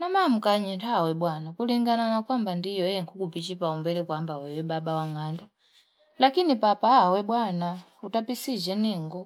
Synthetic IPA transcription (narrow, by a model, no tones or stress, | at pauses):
namam̩kaɲintawɛbwanakuliŋɡananakwambandijɔjɛŋkʰukupit͡ʃipaumbɛlɛkwambawɛwɛbabawaŋanda | lakinipapaːwɛbwana | utapisid͡ʒɛniŋɡɔ